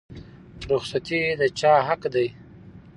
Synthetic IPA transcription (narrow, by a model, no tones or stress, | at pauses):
ɾʊxsat̪id̪ət͡ʃɑːɦakd̪aj